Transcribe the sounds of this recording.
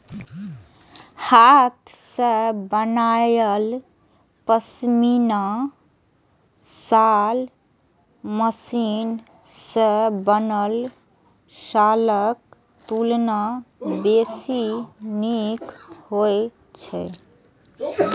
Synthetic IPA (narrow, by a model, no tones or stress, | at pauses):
hat̪ʰsə̃bənajəl | pəsmina | sal | məsinsə̃bənəl | saləkt̪ulnabesinikhojt͡ʃʰɛ